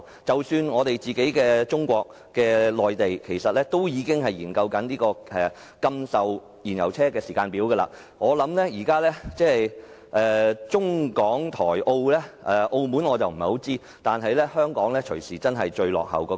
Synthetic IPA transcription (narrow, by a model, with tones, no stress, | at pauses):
t͡sɐ˨wsyː˧nŋɔː˨˧t̪e˨jt͡siː˨ke˨˥jkɛː˧t͡sʊ˥ŋkʷɔː˧k̚ | kːɛː˧lɔː˨jt̪e˨jkʰe˨˩jsɐ˨t̚lɛː˥t̪o˥wjiː˨˧kɪ˥ŋɦɐ˨jjiː˨˩nkɐ˧wkɐ˨˥nliː˥kɔː˧ɛ˨ | kɐ˧msɐ˨w | jiː˨˩njɐ˨˩wt͡sʰɛː˥kɛː˧siː˨˩kaː˧npi˨˥wɡə˧la̰ː˧ | ŋɔː˨˧lɐ˨˥mlɛː˥jiː˨˩kaː˥lɛː˥t͡sɛː˥ | ʔɛː˨t͡ʃʊ˥ŋkɔː˨˥ŋt̪ʰɔː˨˩jʔo˧wlɛː˥ʔɛ˨˩ʔo˧wmu˨˥nŋɔː˨˧t͡sɐ˨wm̩˨˩ho˨˥wt͡siː˥ | t̪aː˨nɦɐ˨jlɛː˥hœː˥ŋkɔ̰ː˨˥ŋlɛː˥t͡ʃʰɵ˨˩ɥsiː˨˩t͡sɐ˥nɦɐ˨jt͡ʃɵ˧ɥlɔ̰ː˨k̚hɐ̰˨˩wkɔː˧